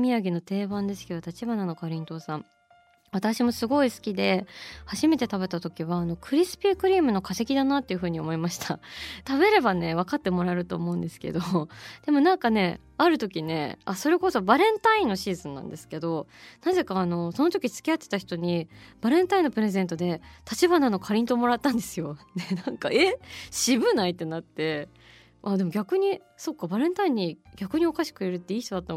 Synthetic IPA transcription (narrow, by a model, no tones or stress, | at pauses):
mʲiaɡʲino̞t̪e̞ːbãnd̪e̞sɨ̥kʲid̪ot̪at͡ɕibanano̞kaɾʲĩnt̪o̞ːsã | βat̪aɕimo̞sɨɡo̞isɨ̥kʲid̪e̞haʑime̞t̪e̞t̪aβe̞t̪at̪o̞kʲiβaːno̞kɯ̟ɾʲisɨ̥pʲikɯ̟ɾʲiːmɯ̟no̞kase̞kʲid̪anat̪ːe̞iɯ̟ɸɯ̟ːɲ̟io̞̰mo̞imaɕi̥t̪ʰa̰t̪aβe̞ɾe̞bane̞β̞akat̪ːe̞mo̞ɾaɾɯ̟t̪o̞̰ːmo̞ɯ̟̃nd̪e̞sɨ̥ke̞̰d̪o̞d̪̥e̞mo̞nãŋkane̞ | aɾɯ̟t̪o̞kʲine̞̰a̰so̞ɾe̞koso̞baɾẽ̞nt̪aĩnːo̞ɕiːzɨ̃nːã̰nd̪e̞sɨ̥ke̞d̪o̞naze̞kaːno̞so̞no̞t̪o̞kʲit͡sɨ̥kʲiat̪ːe̞̥t̪açʲi̥t̪o̞ɲ̟ib̥aɾẽnt̪aĩnːo̞pɯ̟ɾe̞zẽnt̪o̞d̪e̞t̪at͡ɕibanano̞kʰaɾʲĩnt̪o̞mo̞ɾat̪ːãnd̪e̞sɨjo̞nenãŋkae̞ɕibɯ̟nait̪ːe̞nat̪ːe̞ | ad̪e̞mo̞ɡʲakɯ̟ɲ̟i | so̞kːabaɾẽ̞nt̪aĩɲ̟ːiɡʲakɯ̟ɲ̟io̞kaɕi̥kɯ̟iɾɯ̟t̪ːe̞iːç̥it̪od̪at̪ːa